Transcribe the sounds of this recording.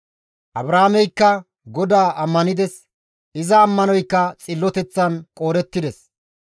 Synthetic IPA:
ʔɐbɾaːmɛjkːɐ | ɡɔd̪aːʔɐmːɐnɪd̪ɛs | ʔɪzɐːmːɐnɔjkːɐt͡sʼɪlːɔt̪ɛt͡sːɐnkʼo̞ːɾɛt̪ːɪd̪ɛs

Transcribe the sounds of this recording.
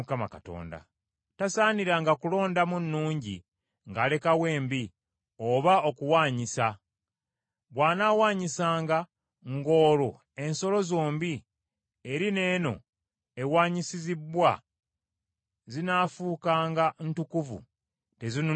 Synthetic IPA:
kamakato̞̰ːnda̰ | tasaːniɾaːŋɡakulo̞ːndamunːuːɲɟḭ | ŋɡaːle̞kawe̞ːmbi | oβao̞kuwaːɲisa | βwaːnaːwaːɲisaːŋɡa | ŋɡo̞ːlo | e̞nso̞lo̞zo̞ːmbi | e̞ɾine̞ːno̞̰ | e̞waːɲisizibwa | zinaːfuːkaːŋɡantukuvṵ | te̞zinu

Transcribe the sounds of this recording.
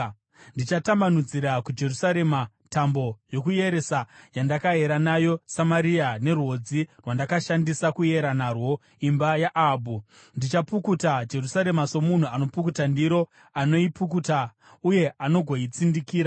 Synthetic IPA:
ndit͡ʃatamanud͡ziɾakud͡ʒe̞rusaɾe̞ma | tambo̞jo̞kuje̞ɾe̞sajandakaɦe̞ɾanajo̞samaɾiane̞rwo̞d͡zirwandakaʃandisakuje̞ɾanarwo̞ | imbajaʔaːbʱu | ndit͡ʃapukutad͡ʒe̞rusaɾe̞maso̞mun̤uano̞pukutandiɾo̞ | ano̞ipukuta | uje̞ano̞ɡʱo̞it͡sindikiːɾa

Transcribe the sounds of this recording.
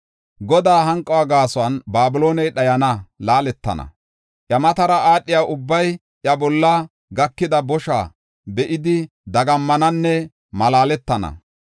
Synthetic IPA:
ɡɔd̪aːɦɐŋkʼːɐwaːɡaːsɔwɐnbaːbɪloːnɛjɗɐjɐnɐlaːlɛt̪ːɐ̰nɐ̰ | ʔjɐmɐt̪ɐɾɐʔaːɗːɪjaːʔʊbːɐj | ʔjɐbɔlːɐ | ɡɐkːɪd̪ɐbɔʃa̰ː | bɛʔɪd̪ɪ | d̪ɐɡɐmːɐnɐnːɛ | mɐlaːlɛt̪ːɐnɐ̰

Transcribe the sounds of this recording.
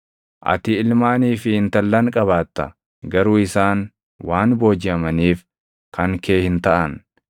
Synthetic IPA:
ʔɐ̰t̪ɪɪlmaːniːfɪhɪnt̪ɐlːɐŋkʼɐβaːt̪ːɐ̰ | ɡɐɾuːɪsaːn | waːnbo̞ːd͡ʒɪɐmɐniːf | kɐŋke̞ːhɪnt̪ɐʔɐn

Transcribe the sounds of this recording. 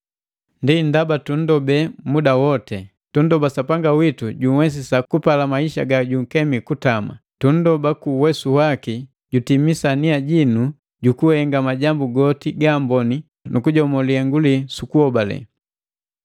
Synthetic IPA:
ndindabatun̩dɔbɛmudawɔtɛ | tun̩dɔbasapaŋɡawituɟuwɛs̬isakupalamaiʃaɡaɟuŋ̩kɛmikutama̰tun̩dɔbakuwɛsuwaki | ɟutimisaniaɟinu | ɟukuhɛŋɡamaɟambuɡɔtiɡambɔni | nukuɟɔmɔliɛŋɡulisukuhɔbalɛ̰

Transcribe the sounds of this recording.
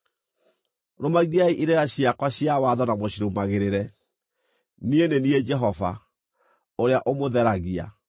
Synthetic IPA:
ɾomaɣiaiʔiɾɛɾaɕiakwaɕiawaðɔnamoɕiɾomaɣeɾeɾɛ | nienenied͡ʒɛɦɔva | oɾeaʔomoðɛɾaɣia̰

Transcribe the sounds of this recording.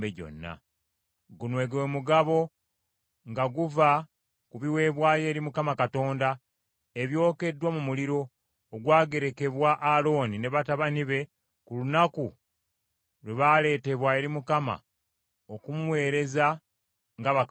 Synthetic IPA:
eɟo̞̰nːa̰ | ɡunwe̞ːɡemuɡaβo̞ | ŋɡaɡuva | kuβiwe̞ːβwaːje̞ːɾimukamakato̞ːnda | eβjo̞ːke̞dːwamumuliɾo̞ː | ɡwaːɡe̞ɾe̞ke̞βwaʔːlo̞ːnine̞βataβaniβe̞ | kulunaku | leβale̞ːte̞βwae̞ɾimukama̰ | okumuwe̞ːɾe̞za | ŋɡaβa

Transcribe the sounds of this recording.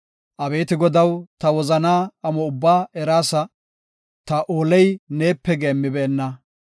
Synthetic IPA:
ʔɐbe̞ːt̪ɪɡɔd̪ɐwt̪ɐwɔzɐnaːɐmɔʊbːaːɛɾaːsɐ | t̪ɐʔoːlɛjne̞ːpːɛɡeːmːɪbɛːnːɐ

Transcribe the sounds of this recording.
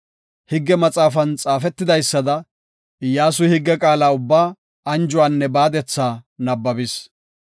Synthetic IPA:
hɪɡːɛmɐt͡sʼaːfɐnt͡sʼaːfɛt̪ːɪd̪ɐjsːɐd̪ɐ | ɪjːaːs̬ʊhɪɡːɛkʼaːlaːʊbːaː | ɐnd͡ʒʊwaːnːɛbaːd̪ɛt͡sːaːnɐbːɐbɪs

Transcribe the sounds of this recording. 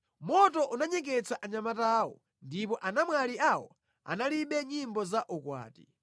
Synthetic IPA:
mɔtɔʔunaɲɛkɛt͡sʰaʔaɲamataːwɔ | ndipɔʔanamwaliawɔ | a̰naliɓɛɲimbɔzaʔukwa̰ːti

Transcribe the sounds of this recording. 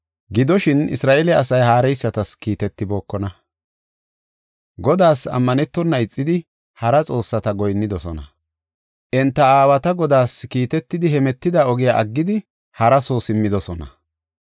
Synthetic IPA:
ɡɪd̪ɔʃɪnɪ̰sɾaːʔɛlɛɐsɐjɦaːɾɛjsːɐt̪ɐskiːt̪ɛt̪ːɪbo̞ːkːɔnɐ | ɡɔd̪aːsɐ̰mːɐnɛt̪ːɔnːɐɪt͡sʼːɪd̪ɪ | hɐɾɐt͡sʼo̞ːsːɐt̪ɐɡɔjnːɪd̪ɔsɔnɐ̰ | ʔɛnt̪ːɐaːwɐt̪ɐɡɔd̪aːskiːt̪ɛt̪ːɪd̪ɪhɛmɛt̪ːɪd̪aɔɡɪjaʔɐɡːɪd̪ɪ | hɐɾɐsoːsɪmːɪd̪ɔsɔnɐ̰

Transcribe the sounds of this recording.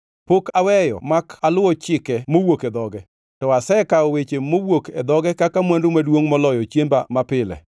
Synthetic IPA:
pokawɛjɔ̰makalʊɔt͡ʃɪkɛmowokɛd̪ɔɡɛ | tɔasɛkaowet͡ʃemowokɛd̪ɔɡɛkakamwandʊmadwoŋmɔlɔjɔt͡ʃjembamapɪlɛ̰

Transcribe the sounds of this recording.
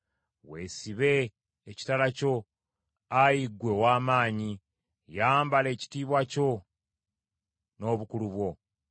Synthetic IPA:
we̞siβe̞ː | ci̥talaco̞ | ajiɡːwe̞waːmaːɲi | jaːmbale̞ːci̥tiːβwaco̞ | no̞ːβukuluβwo̞

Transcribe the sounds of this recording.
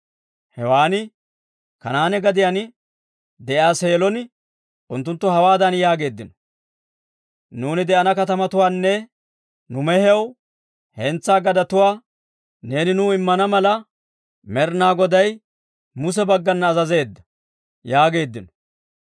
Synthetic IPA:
hɛwaːnɪ | kɐnaːnɛɡɐd̪ɪjan | d̪ɛʔjaːse̞ːlɔn | ʔʊnt̪ːʊnt̪ːʊhɐwaːd̪ɐnjaːɡe̞ːd̪ːɪnɔ̥ | nuːnɪd̪ɛʔɐnɐkɐt̪ɐmɐt̪ʊwaːnːɛ | nʊmɛhɛw | hɛnt͡sːaːɡɐd̪ɐt̪ʊwaː | ne̞ːnɪnuːɪmːɐnɐmɐlɐ | mɛɾnaːɡɔd̪ɐj | mʊs̬ɛbɐɡːɐnːɐːzɐze̞ːd̪ːɐ̥ | jaːɡe̞ːd̪ːɪnɔ̥

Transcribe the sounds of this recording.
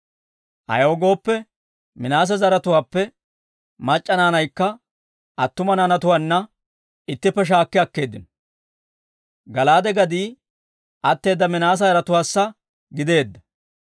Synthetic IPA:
ʔɐ̰joːɡo̞ːpːɛ | mɪnaːs̬ɐzɐɾɐt̪ʊwaːpːɛ | mɐt͡ʃʼːɐnaːnɐjkːɐ | ʔɐt̪ːʊmɐnaːnɐt̪ʊwaːnːɐ | ɪt̪ːɪpːɛʃ̬aːkːɪɐkːe̞ːd̪ːɪn | ɡɐlaːd̪ɛɡɐd̪iː | ʔɐt̪ːe̞ːd̪ːɐmɪnaːs̬ɐzɐɾɐt̪ʊwaːsːɐ | ɡɪd̪e̞ːd̪ːɐ̥

